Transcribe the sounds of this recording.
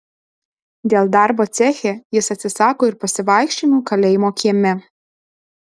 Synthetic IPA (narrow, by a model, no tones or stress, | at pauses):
d̪ʲeːlˠd̪ɑˑɾboːt̪sʲæxʲeːjɪsɐt̪ʲsʲɪsɑːkoːɪɾpɐsʲɪʋɐˑɪkʃʲt͡ʃʲɪnuːkɐlʲɛjmoːkʲiːmʲɛ